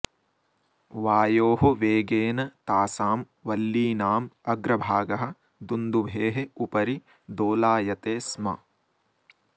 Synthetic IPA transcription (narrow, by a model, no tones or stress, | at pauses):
ʋaːjoːɦuʋeːɡeːnɐt̪aːsaːm | ʋɐlːiːnaːmɐɡɾɐbʱaːɡɐɦɐ̆ | d̪und̪ubʱeːɦeupɐɾi | d̪oːlaːjɐt̪eːsmɐ̰